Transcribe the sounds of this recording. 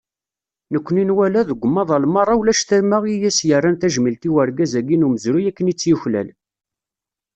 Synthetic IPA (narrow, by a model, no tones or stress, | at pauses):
nəkʷːəninwælæðəɡʷːəmːɑðˤɑlmɑrˤːɑwlæʃθæɾməʁijæsjərˤːænθæʒmilt̪iwəɾɡæzæɡinuməzɾujækːənit͡sːjuçlæ̰l